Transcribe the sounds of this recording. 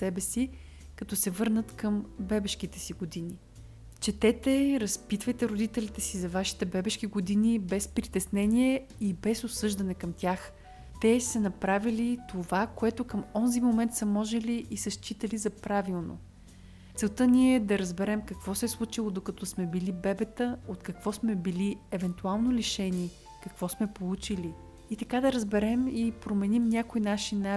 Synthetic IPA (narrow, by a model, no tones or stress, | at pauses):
sɛbɛsi | kɐt̪ɔsɛvɤɾnət̪kəmbɛbɛʃk̟it̪ɛ̥siɡod̪ini | t͡ʃɛt̪ɛt̪ɛɾɐspit̪vɐjt̪ɛɾod̪it̪ɛlit̪ɛsizɐvaʃi̥t̪ɛbɛbɛʃk̟iɡod̪inibɛspɾit̪ɛsnɛniɛibɛsosɤʒd̪ɐnɛkɐmt̪ʲjax | t̪ɛsɐnɐpɾavilit̪ovakoɛt̪okəmɔnzimomɛnt̪sɐmɔʒɛliʔːsɐʃt͡ʃit̪əlizɐpɾavilˠno̰ | t̪sɛlˠt̪ɤnʲiɛd̪ɐɾəzbɛɾɛmkɐkv̥ɔsɛslˠut͡ʃilˠod̪okɐt̪ɔsmɛbilibɛbɛt̪əot̪kɐkv̥ɔsmɛbiliɛvɛnt̪ualˠnoliʃɛnʲi | kɐkv̥ɔsmɛpolˠut͡ʃiliː | t̪ɐkad̪ɐɾəzbɛɾɛmipɾomɛnimnʲakojnaʃina